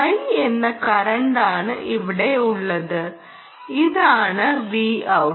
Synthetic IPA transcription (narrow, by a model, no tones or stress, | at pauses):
ɐjenːɐkɐɾɐɳɖaːɳɨʔiʋiɽe̞uɭːɐðɨ | iðaːɳɨʋiːɐw